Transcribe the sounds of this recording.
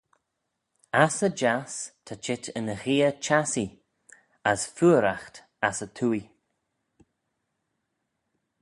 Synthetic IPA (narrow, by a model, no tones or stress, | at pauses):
asəd͡ʒast̪ʰat͡ʃɪtʰənəxiːət͡ʃasi | əsfuːəɾaxt̪ | asət̪ʰuːi